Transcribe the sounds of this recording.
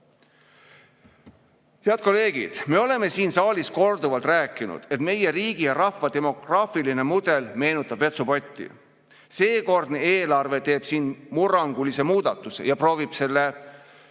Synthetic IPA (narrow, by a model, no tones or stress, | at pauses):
heɑt̪̚ko̞le̞ːɡ̥ḭd̪̥me̞o̞le̞me̞siːnsɑːlisko̞rd̪uvɑlt̪ræːkːˑinṵd̪̥e̞t̪me̞je̞ɾiːɡ̥ijɑɾɑfːɑd̪e̞mo̞krɑːfiline̞mud̪e̞lme̞ːnut̪ːˑɑb̥ve̞t̪supo̞t̪ʲːḭ | se̞ːko̞rd̪̥neeːlɑrve̞t̪e̞ːb̥siːnmurɑŋɡ̥ulise̞muːd̪̥ɑt̪ːˑusḛjɑpro̞ːvib̥se̞lːe̞